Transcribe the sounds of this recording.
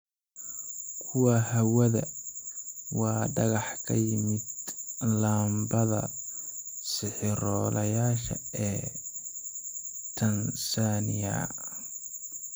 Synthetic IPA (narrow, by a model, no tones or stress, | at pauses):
kʰʊwɐhɐwɐðɐ | wɑːɖɐɣɑħkʰɐ̰jɪmɪd̪laːmbɐðɐ̰ | sɪħɪɾɔːlɐjaːʃɐ̰ɛː | t̪ʰɐnsanɪja̰